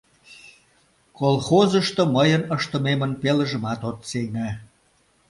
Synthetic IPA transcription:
kolˠxozəʃt̪oməjənəʃt̪ə̆memənpeləʒə̆mɑt̪ot̪sejnæ

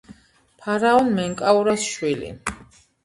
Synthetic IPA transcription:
pʰaɾaɔnmɛŋkʼauɾasʃwilḭ

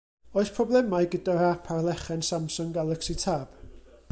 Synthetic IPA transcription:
oɨspʰrɔblˠɛmajɡədaɾapʰarlˠɛχɛnsamsʊŋɡalˠəksitʰaːb̥

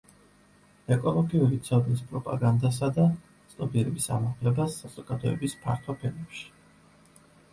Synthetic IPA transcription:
ɛkʼɔlˠɔɡiuɾit̪sʰɔb̪lispʼɾɔpʼa̰ɡand̪as̬ad̪a | t̪sʼt̪ʼɔpiɾɛbisa̰maχlɛbasːaz̥ɔɡ̥ad̪ɔɛ̰bispʰa̰ɾt̪ʰwapʰɛlmɛpʃi̥

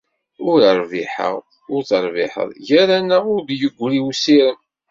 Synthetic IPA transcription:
ʊɾəɾˤviħə̰ʁ | ʊɾθəɾˤvḭħə̰ðˤʝæɾænəʊɾd̪jəɡʷːɾiwsiɾən

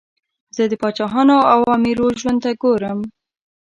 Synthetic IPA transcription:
zəd̪əpɑt͡ʃɑɦɑnoawɑmiɾoʒwant̪aɡoɾəm

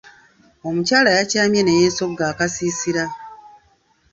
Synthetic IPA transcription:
o̞mucaːlajacaːmjenejeːso̞ɡaːkasiːsiɾa

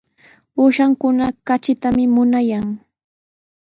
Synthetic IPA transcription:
uːʃaŋkʊnakat͡ʃɪt̪amɪmʊnajaŋ

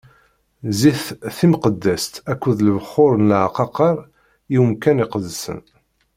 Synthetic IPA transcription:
ziθθimqəd̪ːæst̪ækʷːuðlvəχːʊɾˤənlʕqɑqɑɾˤ | jiwəmkæniqəðsə̰n

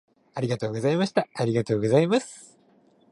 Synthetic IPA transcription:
aɾʲiɡat̪o̞ːɡo̞zaimaɕi̥t̪aaɾʲiɡat̪o̞ːɡo̞zaimasɨ̥

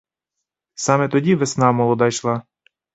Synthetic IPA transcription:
sɑmɛt̪ɔdʲiʋesnɑmɔlˠɔd̪ɑjʃlˠɑ

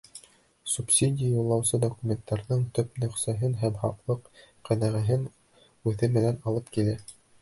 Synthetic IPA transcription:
supsʲidʲɪjajulˠːɑwsɤd̪okumʲent̪ːɑɾðɤɴt̪ɵpnɵ̆χsæɦɘnɦæmhɑqlˠɤq | qæðæʁæɦɘn | ʉθɘmɘ̆nænɑlˠɤpkilæ

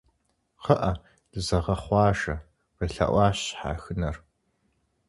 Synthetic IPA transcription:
qəʔɐ | d̥ɨzɐʁɐχʷɑːʒɐ | rɨɬɐ̰ʔʷɑːɕħa̰ːxɨnɐr

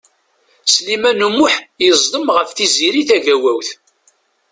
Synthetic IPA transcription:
slimænumʊħjəzˤd̪ˤəmʁəfθiziɾiθæʝæwæwθ

